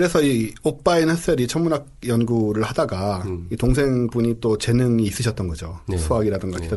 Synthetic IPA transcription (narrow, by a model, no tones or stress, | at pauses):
kɯɾe̞sʰʌiop͈ainhes͈eɾit͡ɕʰʌmunak̚ | jʌnɡuɾɯɭhadaɡaitoŋs̬ʰe̞ŋbuɲit͈ot͡ɕe̞nɯŋiːs͈ɯɕʰʌt̚t͈ʌnɡʌd͡ʑosʰuɦaɡiɾadɯŋɡʌkid